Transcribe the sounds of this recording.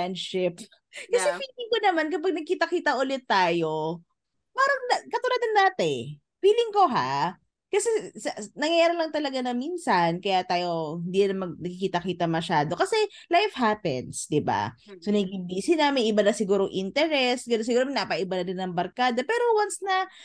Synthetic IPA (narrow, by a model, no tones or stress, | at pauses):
anʃɪp | kɐsɛfiːlɪŋkonɐmankɐpaɡ̚nɐɡ̚kiːt̪ɐkiːt̪ɐʔʊlɪt̪ːaːjo̞ | paːɾɐŋɐkɐt̪ʊɾad̪ɐnːaːt̪ɛ | fiːlɪŋko̞ɦa | kɐsɛsɐnɐŋjɐjaːɾɐlɐŋt̪ɐlɐɡanɐminsɐnkɐjat̪aːjo̞hɪnd̪iːɐnɐmɐɡ̚nɐɡkɪkiːt̪ɐkiːt̪ɐmɐʃaːd̪o̞kɐsɛ | lajfhapɛ̰nsd̪ɪba̰ | sonɐɡɪmbiːsɪnamɪnʔɪbanɐsɪɡuːɾoŋʔɪnt̪ɛɾɛsɡɐnos̬ɪɡuːɾɐmɪnɐpɐʔɪbanɐdɪnːɐŋbɐɾkaːd̪ɐpɛːɾowansnɐ